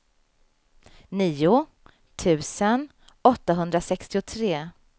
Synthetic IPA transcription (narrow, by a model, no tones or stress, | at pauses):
niːʊ | t̪ʰʉ̟ːsən | ɔt̪ːaɦɵnd̪ɾasɛkst̪ɪʊt̪ʰɾeː